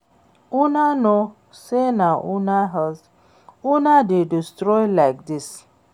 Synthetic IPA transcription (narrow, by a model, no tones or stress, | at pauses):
unano | senaʔunaɦɔs | unadedistɾɔjlaɪk̚dɪs